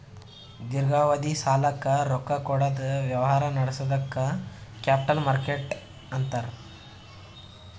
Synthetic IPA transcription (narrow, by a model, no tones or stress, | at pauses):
d̪iɾɡaːʋɐd̪isaːlɐkːɐɾɔkːɐkɔɽɐd̪ɐʋjɐʋɐɦaːɾɐnɐɽɐsɔd̪ɐkːɐkjaːp̚ʈɐlmaɾkeʈ | ɐnt̪ɐɾ